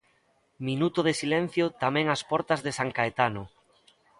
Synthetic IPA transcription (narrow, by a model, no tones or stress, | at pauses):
minut̪ʊðesilɛn̟θjot̪amɛ̃ŋaspɔɾt̪azðesaŋkaet̪anʊ